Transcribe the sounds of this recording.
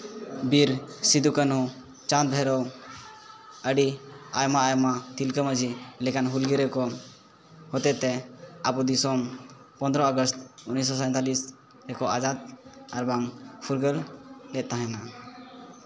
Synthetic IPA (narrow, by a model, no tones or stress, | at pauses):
biɾsid̪ukənu | t͡ʃãnt̪̚bʱɛɾɔ | əɖiajmaːjmat̪ilkəməd͡ʒilɛkanɦulɡiɾɛkɔ | hɔt̪ɛt̪ɛapud̪isɔm | pɔnd̪ɾɔɔɡɔst̪unis̬ɔsant̪alis | ɾɛkɔʔad͡ʒat̪̚aɾbaŋpʰuɾɡəllɛt̪̚t̪aɦɛ̃na